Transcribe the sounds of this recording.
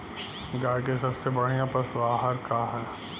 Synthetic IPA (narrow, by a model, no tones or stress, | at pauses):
ɡaɽk̬esɐbsebɐɽ̤ijãpɐsbaːɦəɾkaːɦən